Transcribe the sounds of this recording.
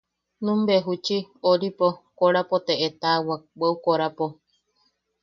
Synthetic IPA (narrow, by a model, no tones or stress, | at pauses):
nũmbeɦut͡ʃioɾipokoɾapot̪eʔet̪awaweukoɾapo